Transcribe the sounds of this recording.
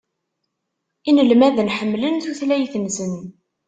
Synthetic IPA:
inəlmæðnħəmːlənθuθlæjθənsən

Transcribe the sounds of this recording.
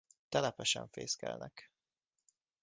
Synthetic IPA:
t̪ɛlɛpɛʃɛɱfeːskɛlnɛk

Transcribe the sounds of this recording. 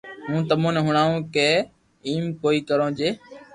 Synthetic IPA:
mũːt̪əmõːneːɦʊɳaːũːkeː | iːmkoːiːkəɾõːd͡ʒeː

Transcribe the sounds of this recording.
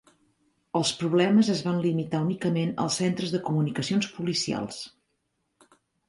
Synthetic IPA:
əlˠspɾuβlɛməzəzβanlimit̪aunikəmenə̰lˠsent̪ɾəzðəkumunikəsionspulisia̰lˠs

